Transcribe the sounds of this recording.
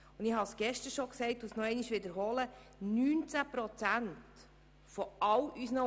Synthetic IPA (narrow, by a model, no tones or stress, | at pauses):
ʊndɪhɑsɡ̥ɛʃtəʃɔksɛɪtusnɔɛɪniʃʋɪdəɾɦɔlə | nyːnt͡sæpɾɔt͡sænt | fɔɑwʔysnə